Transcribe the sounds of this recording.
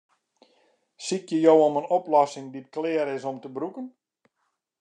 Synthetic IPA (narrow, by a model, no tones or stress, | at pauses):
sikjəjowomənoplɔsɪŋdit̚klɪəɾɪsomtəbrukən